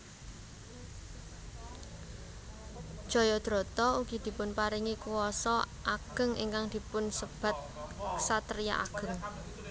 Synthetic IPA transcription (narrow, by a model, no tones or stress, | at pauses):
d̥ʒ̥ɔ̤jɔd̪̥ɾo̤t̪ɔuɡ̥id̪̥i̤pʊnpaɾiŋikuwɔsɔ | ʔaɡ̥ə̤ŋḭŋkaŋd̪̥i̤pʊnsəb̥a̤t̪̚sat̪əɾija̰ʔa̰ɡ̥ə̤ŋ